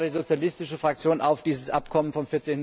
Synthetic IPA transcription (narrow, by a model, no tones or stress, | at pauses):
diːzot͡sjalɪstɪʃəfʁ̥ak̚t͡sjoːnʔa̰ʊfd̥iːzəsʔapkʰɔmənfɔmfɪɐt͡seːnn